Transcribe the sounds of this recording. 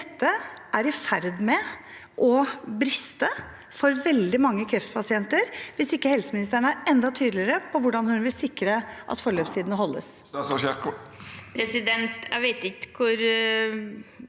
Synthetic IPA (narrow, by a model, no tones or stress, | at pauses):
d̪ɛt̪ːəʔæɾɪfæɾd̪mɛ | ʔɔbɾɪst̪ə | fɔɾʋɛld̪ɪmɑŋːəkʰɾɛft̪pʰɑsɪɛnt̪əɾʋɪsɪkːəhɛlsəmɪnɪs̬t̪æɳəæɾɛnd̪ɑt̪ʰyːd̪lɪɾəpʰɔʋʊɖɑnhʉnʋɪlsɪkːɾəʔɑ̰t̪fɔɭøːpst̪ʰiːd̪ənəɦɔlːə̰ssʃɑkpʰɾɛsɪd̪ɛnt̪æ̰ʋeɪt̪ɪkə̥kʰʊɾ